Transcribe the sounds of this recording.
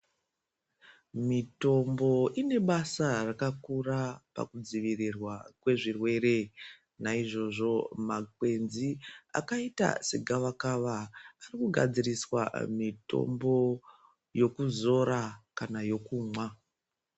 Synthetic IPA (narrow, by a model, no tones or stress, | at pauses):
mito̞mbo̞ine̞ɓasarakakurapa̰kud͡ziʋirirwakwe̞ʐirwe̞ɾe̞ | naiʐo̞ʐo̞makwe̞nzia̰kaita̰seɡʱaʋakaʋaːrikuɡʱa̰d͡ziriswa̰mito̞̰mbo̞ | jo̞kuzo̞ɾakanajo̞kuːmwa